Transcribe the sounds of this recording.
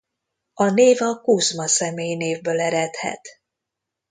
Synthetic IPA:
ɒneːvɒkuzmɒsɛmeːjneːvbøːlɛɾɛt̪hɛ̰t̪

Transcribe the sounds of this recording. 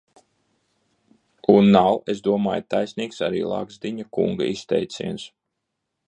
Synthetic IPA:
unːawesd̪uɔma̰ːjt̪ajsʲniːksaɾḭːlˠa̰ːɡzd̪iɲakṵŋɡa̰ist̪ɛ̰jt̪sʲḭɛns

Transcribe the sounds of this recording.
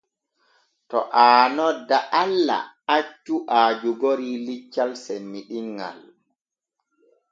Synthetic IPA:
tɔ̰ʔaːnɔdːaʔalːa̰at͡ʃːuʔaːd͡ʒuɡoɾilit͡ʃːalsemːiɗiŋɡa̰l

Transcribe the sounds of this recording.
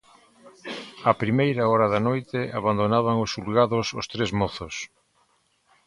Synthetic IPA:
apɾimejɾaɔɾaðanojt̪ɪaβand̪onaβaŋosulɣaðoso̰st̪ɾezmɔθʊs

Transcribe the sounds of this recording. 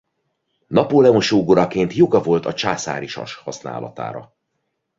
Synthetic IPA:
nɒpolɛonʃoːɡoɾɒkeːnt̪jo̞ɡɒvo̞lt̪ɒt͡ʃaːsa̰ːɾiʃɒ̰ʃhɒsna̰ːlɒ̰t̪a̰ːɾɒ̰

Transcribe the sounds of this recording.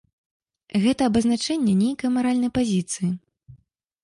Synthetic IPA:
ɣɛt̪ɐːbɐznat͡ʂɛnʲːɛnʲejkɐjmaɾalʲnɐjpazʲit̪sɨji

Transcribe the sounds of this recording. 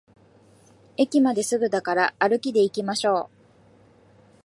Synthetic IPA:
e̞kʲimad̪e̞sɨɡɯ̟d̪akaɾaːɾɯ̟kʲid̪e̞ikʲimaɕo̞ː

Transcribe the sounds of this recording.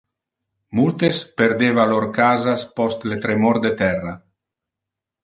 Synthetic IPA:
mult̪espeɾd̪eːvaloɾkaːzaspɔst̪let̪ɾemoɾd̪et̪ɛrːa

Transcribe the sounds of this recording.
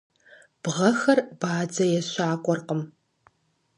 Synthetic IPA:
b̥ʁɐxɐrb̥aːd͡zɐjɛɕʷaːkʷʼɔrqəm

